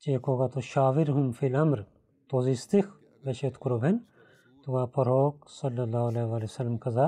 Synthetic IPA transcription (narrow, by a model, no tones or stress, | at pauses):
t͡ʃeːkoːɡat̪oʃaːʋiɾɦʊmfilɐmɾ | t̪oːzist̪ix | ʋɐʃet̪kʊɾobʱen | t̪uɡaːpɐɾoːksɐlːɐlːaːleːʋaːlisɐlːmkɐzaː